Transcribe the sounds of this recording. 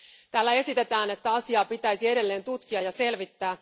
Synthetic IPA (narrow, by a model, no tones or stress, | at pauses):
t̪æːlːæe̞sit̪e̞t̪æːne̞t̪ːæɑsiɑːpit̪æjsie̞de̞lːeːnt̪ut̪k̟iɑjɑse̞lʋit̪ːæː